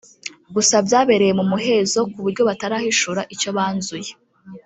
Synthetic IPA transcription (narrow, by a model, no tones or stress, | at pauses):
ɡusabjaːβe̞ɾe̞je̞mumuɦe̞zo̞kuβuɾɟo̞βataɾahiʃuɾaʔico̞βaːnzuje